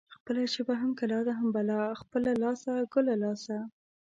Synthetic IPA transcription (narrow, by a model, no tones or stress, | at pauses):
xpəlaʃəbaɦamkalɑd̪aɦambalɑxpəlalɑsaɡʊlalɑsa